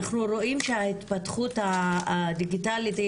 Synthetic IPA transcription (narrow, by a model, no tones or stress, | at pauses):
aχnuɾo̞ʔimʃeahit̪patχut̪ad̪iɡitalit̪